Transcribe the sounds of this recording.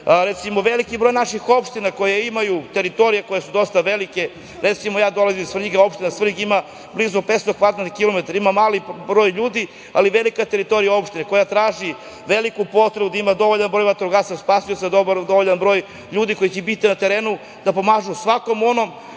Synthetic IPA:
ɾet̪simoʋe̞likibɾo̞ːjnaʃixo̞pʃt̪inako̞jeimajut̪e̞ɾit̪o̞ɾijeko̞jesud̪o̞st̪aʋe̞like̞ | ɾe̞t̪simojaːd̪o̞lazimisfɾiɡao̞pʃt̪inasfr̩iɡima | blizupet̪st̪okad̪nakilo̞met̪aɾaimamaːlibɾoːjʎuːd̪i | aliʋe̞likat̪e̞ɾit̪o̞ɾijao̞pʃt̪inako̞jat̪ɾaːʒi | ʋe̞likupo̞t̪ɾebud̪aimad̪o̞ʋoʎanbɾo̞jmat̪ɾuɡat̪saspasujosed̪obd̪oʋoʎanbɾo̞ːj | ʎuːd̪iko̞jit͡ɕebit̪inat̪eɾeːnu | d̪̥apo̞maːʒusʋako̞mo̞no̞m

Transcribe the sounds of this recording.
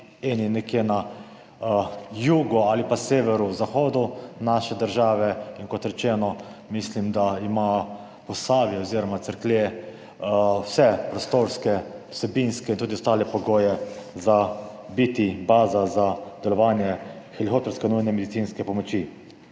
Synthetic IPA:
eninɛkjena | juːɡɔaːlipaseːʋɛɾuzaxoːd̪unaʃɛd̪əɾʒaːʋɛinkɔt̪ɾɛt͡ʃɛːnɔmislimd̪aimaː | pɔsaːʋjɛɔziːɾɔmat̪səɾkle | wsɛpɾɔst̪oːɾskɛu̥sɛbinskɛint̪uːd̪iost̪aːlɛpɔɡoːjɛza | bit̪ibaːzazad̪̥ɛlɔʋaːnjɛxɛlixoːt̪ɔɾskɛnujnɛmɛd̪itsiːnskɛpɔmɔt͡ʃi

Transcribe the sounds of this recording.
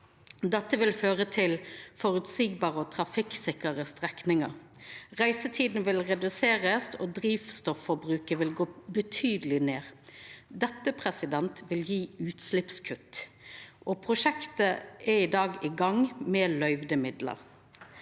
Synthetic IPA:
d̪ɛt̪ːəʋɪlføːʁət̪ʰɪlfɔɾʉt̪siːɡ̚bɑːʁəɔt̪ʰɾɑfɪksɪkəʁəst̪ʁɛknɪŋəɾ | ʁæɪsət̪ʰiːd̪n̩ʋɪlʁɛd̪ʉseːʁəst̪ʰod̪ɾiːfst̪ɔfːɔɾbʁʉːkəʋɪlɡoːbət̪ʰyːd̪əlɪneːʁd̪ɛt̪ːəpʰʁɛsɪd̪ɛnt̪ʋɪljiːʉːt̪slɪpskʰʉt̪ːʔɔːpʰʁʊʃɛkt̪əʔɛɪd̪ɑːɡɪɡɑŋmɛlœʏʋd̪əmɪd̪lə̰ɾ

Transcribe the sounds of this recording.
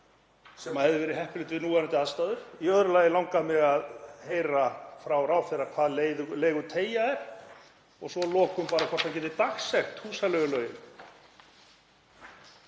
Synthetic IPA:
sɛmahɛvðɪvɛːɾɪɦɛhpʏlʏːt̪vɪnuːanat̪ɪaðst̪aːðʏɾ̥iœðɾʏlaːjɪlawŋkamɪɣaðheːjɾafɾawraːwfɪrakʰv̥aːðleðleːjɣʏt̪ʰeːjaɛɾ̥ | ɔɣsɔlɔːkʏmpaːɾakʰɔr̥t̪ʰancɛt̪ɪt̪axsɛxt̪huːsalɛːɣʏlœːɥjɪn

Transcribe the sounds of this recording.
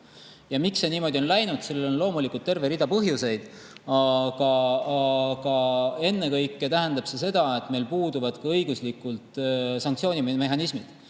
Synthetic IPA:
jɑmikse̞niːmo̞d̪io̞nlæjnud̪̥selːelo̞nlo̞ːmulikːˑult̪ːe̞rveɾid̪ɑpɤɦjuse̞jd̪̥ | ɑkɑɑkɑe̞nːekɤjkːˑet̪æɦend̪̥ɑb̥se̞se̞d̪̥ɑe̞t̪ːˑme̞jlpuːd̪uvɑd̪kɑɤjɡuslikːˑult̪ˑsɑŋk̚tsio̞ːnʲime̞ɦɑnismid̪̥

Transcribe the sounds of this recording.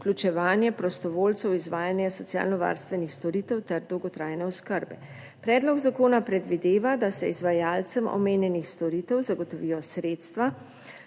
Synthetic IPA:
uklʲut͡ʃɛʋaːnjɛpɾɔst̪ɔʋoːlt̪sɛwizʋaːjanjasɔsija̰ːlnɔʋa̰ːɾst̪ʋɛnixst̪ɔɾiːt̪ɛwt̪ɛɾd̪ɔwɡɔt̪ɾaːjnɛɔskəɾbɛ̰ | pɾɛːd̪lɔɡzakoːnapɾɛd̪ʋid̪eːʋad̪asɛizʋajalsəmɔ̰meːnjɛnixst̪ɔɾiːt̪ɛwzaɡɔt̪ɔʋiːjɔsɾeːt̪st̪ʋa

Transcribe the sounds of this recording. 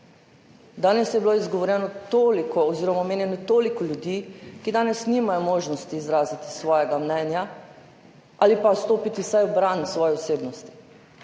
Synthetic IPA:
d̪aːnɛsjɛbiloizɡɔʋɔɾjɛnɔt̪oːlikɔːziːɾɔmameːnjɛnɔt̪oːlikɔljud̪iːkid̪aːnɛsnimajɔmoːʒnɔst̪iːzɾaːzit̪i̥sʋɔːjɛɡamnɛnja | alipast̪oːpit̪isajɔbɾansʋɔːjɛɔseːbnɔst̪i̥

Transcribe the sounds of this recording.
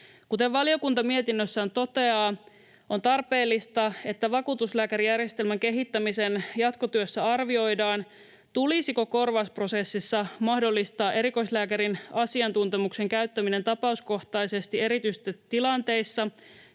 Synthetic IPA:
kut̪eʋʋɑlio̞kunt̪ɑmie̞t̪inːøsːæːnt̪o̞t̪e̞ɑː | ʔo̞nt̪ɑrpe̞ːlːist̪ɑe̞t̪ːæʋɑkuːt̪uslæːkæɾijærjest̪elmæŋke̞ɦit̪ːæmise̞njɑt̪ko̞t̪yøsːæɑrʋio̞jdɑːn | t̪ulisiko̞ko̞rʋɑspro̞se̞sːisːɑmɑhdo̞lːist̪ɑːʔe̞ɾiko̞islæːkæɾinɑsiɑnt̪unt̪emukse̞ŋkæɥt̪ːæmine̞nt̪ɑpɑusko̞ht̪ɑise̞st̪ie̞ɾit̪yst̪ːet̪ilɑnt̪e̞isːɑ

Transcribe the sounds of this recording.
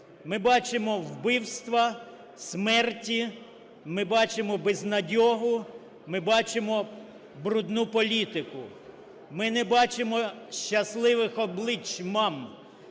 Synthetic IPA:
mɪbɑt͡ʃemɔwbɪwst̪ʋɐ | smɛrtʲi | mɪbɑt͡ʃemɔbɛznɐdʲɔɦʊ | mɪbɑt͡ʃemɔ | bɾʊd̪nupɔlʲit̪ɪkʊ | mɪnɛbɑt͡ʃemɔʃt͡ʃɐslˠɪʋɪxɔblˠɪt͡ʃmɑm

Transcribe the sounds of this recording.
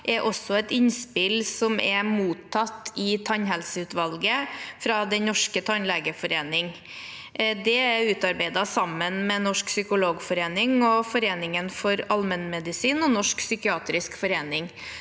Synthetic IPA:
ʔɛɾʔɔsːɔɛt̪ɪnspɪlsɔmɛɾmuːt̪ʰːɑt̪ːɪt̪ʰɑɲɦɛlsəʉːt̪ʋɑlɡəfɾɑd̪ɛnnɔʂkət̪ʰɑnleːɡəfɔɾeːnɪŋ | d̪ɛɾʉːt̪ɑɾbæɪd̪ɑsɑmənmɛnɔʂksʏkʊloːɡfɔɾeːnɪŋɔfɔɾeːnɪŋənfɔɾɑlmənmɛd̪ɪsiːnɔnɔʂksʏkɪɑːt̪ɾɪskfɔɾeːnɪŋ

